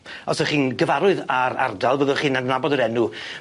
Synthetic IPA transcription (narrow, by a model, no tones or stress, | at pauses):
ɔsɔχiːnɡəvaɾʊɨðaɾa̰rdalˠvəðɔχiːnadnabɔdɔɾɛnu